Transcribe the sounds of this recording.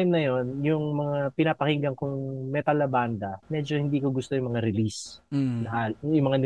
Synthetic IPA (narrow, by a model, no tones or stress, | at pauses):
mnɐjo̞njʊŋmɐŋapɪnapɐhiŋɡɐŋkʊŋmɛt̪ɐlɐband̪ɐmɛd͡ʒohɪnd̪iːkoɡʊst̪o̞jʊŋmɐŋaɾɪlisnɐʔajʊŋmɐŋan